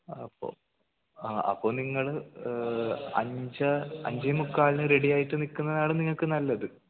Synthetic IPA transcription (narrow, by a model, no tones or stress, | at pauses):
ɐpːo̰ | aɐ̰pːoːniŋːɐɭɨ | ɐ̰ɲd͡ʑɐɐ̰ɲd͡ʑɐjmukːaːɭnɨɾe̞ɽijaːjiʈːɨnikːunːɐðaːɭɨniŋːɐɭkɨnɐlːɐðɨ